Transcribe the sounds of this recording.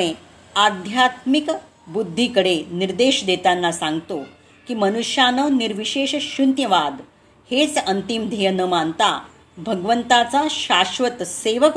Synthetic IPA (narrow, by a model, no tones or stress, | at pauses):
e | ad̪ʱjat̪mik | bud̪ʱːikəɽeniɾd̪eɕd̪et̪anːasãŋɡt̪o | kiːmənuɕjanəniɾʋiɕeɕɕunt̪jəʋad̪ | het͡sənt̪imd̪ʱejənəmant̪a | bʱəɡʋənt̪at͡saɕaɕʋət̪seʋək